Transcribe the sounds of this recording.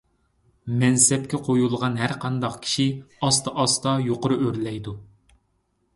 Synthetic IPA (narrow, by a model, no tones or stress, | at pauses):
mɛnsɛp̚kʲɛqʰojulˠʁɑnɦæɾqʰɑnd̪ɑqkʲʰi̥ʃiɑst̪ɑʔɑst̪ɑjoqʊɾuøɾlɛjd̪u